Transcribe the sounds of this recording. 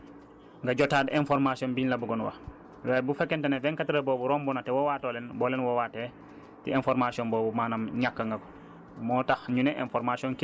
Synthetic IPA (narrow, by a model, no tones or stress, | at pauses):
ŋɡɐɟɔtaːdɛnfɔɾmasiɔnbinlɐbuɡɔnwɐ̰ | wɛːbufɛkːɛntɐnɛvɛŋkatiɾɐbɔːbuɾɔmbunɐtɛwɔwaːtoːlɛnbɔːlɛnwɔwaːtːɛ | tiɛnfɔɾmasiɔnbɔːbumaːnɐmɲakːəŋɡɐko̥ | mɔːtaxɲunɛʔɛ̰nfɔɾmasiɔnki